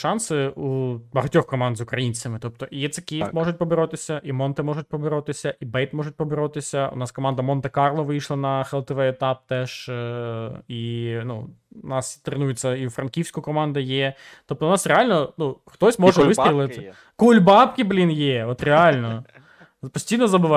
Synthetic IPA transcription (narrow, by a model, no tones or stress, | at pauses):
ʃɑnsɪubɐɦɐtʲɔxkɔmɑnd̪zʊkɾɐjinʲt͡sʲɐmɪt̪ɔp̚t̪ɔʔijɛt̪sekʲijft̪mɔʐʊt̚ʲpɔbeɾɔt̪ɪsʲɐʔimɔnt̪ɪmɔʐʊt̚ʲpɔbeɾɔt̪ɪsʲɐʔibɛjt̪mɔʐʊt̚ʲpɔbeɾɔt̪ɪsʲɐʊ̰nɑskɔmɑnd̪ɐmɔnt̪ekɑrlˠɔʋɪjʃlˠɐnɐxɛlˠt̪ɪʋɛet̪ɑp̚t̪ɛʒ | inṵnɑst̪ɾenujet͡sʲːɐifɾɐnkʲiwsʲkʊkɔmɑnd̪ɐjɛ | t̪ɔp̚t̪ɔʊnɑsɾʲealʲnɔnuxt̪ɔsʲmɔʒɛʋɪst̪ʲɾʲilˠɪt̪ɪ | kulʲbɑpkʲɪblʲinjɛɔt̪ɾʲealʲnɔ | pɔsʲtʲijnɔzɐbɪʋɑ